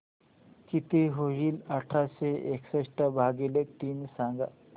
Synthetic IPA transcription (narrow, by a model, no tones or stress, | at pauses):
kit̪eɦoɦilɐʈʰaseeksəsʈabʱaːɡelek̚t̪iːnsãŋɡa̰